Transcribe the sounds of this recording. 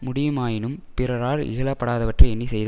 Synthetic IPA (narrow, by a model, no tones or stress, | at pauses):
mʊɽɪjɐmaːjɪnɯmpɪɾɐɾaːɾɪ̰ɣɐɭɐpːɐɽaːðɐʋɐʈrɐɪɛnːisɛjðɐ